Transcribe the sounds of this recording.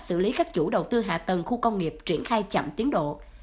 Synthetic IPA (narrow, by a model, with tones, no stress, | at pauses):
sɨ̰˧˨˩li˨˦kaː˦˥k̚t͡ɕu˧˩ɗə˨˩wt̪ɨ˧ɦa̰ː˨˩t̪ə˨˩ŋxu˧kə˧wŋ͡mŋi˨˩əp̚t͡ɕi˧˩ənxaː˧jt͡ɕə̰˧˨mt̪i˨˦ənɗo̰˧˨